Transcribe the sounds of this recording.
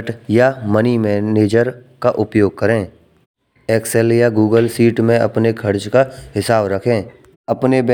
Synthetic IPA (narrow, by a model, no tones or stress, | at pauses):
ʈjamənimɛːneːd͡ʒəɾkaʔʊpjoːɡ̚kɐɾẽː | eːksɛljaɡuːɡəlsiːʈmẽɐ̰pnekʰɐɾt͡ʃkaɦɪsaːbɾɐkʰẽː | ɐpneb